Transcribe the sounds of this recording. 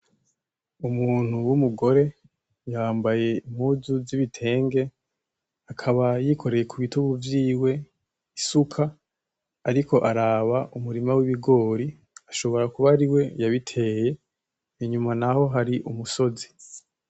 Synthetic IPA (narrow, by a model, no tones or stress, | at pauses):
umuːn̥huwumuɡo̞ɾe̞ | jaːmbaje̞im̥huzuziβitʰe̞ːŋɡe̞ | akʰaβajikʰo̞ɾe̞je̞kʰuβituβuvjiːwe̞ | isukʰaː | ɾikʰo̞ʔaɾaβaʔumuɾimawiβiɡo̞ːɾi | aʃo̞βo̞ɾakuβaɾiwe̞jaβitʰe̞je̞ | iɲumanaho̞ɦaɾiʔumuso̞zi̥